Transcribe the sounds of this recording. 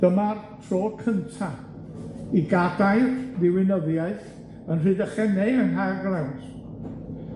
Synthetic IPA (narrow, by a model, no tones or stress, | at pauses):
d̥əmartʰroːkʰəntʰa | iɡadajrðɪwɪnəðjaɨθ | ənrɨːdəχɛnɛənɦarɡlɛwnd̥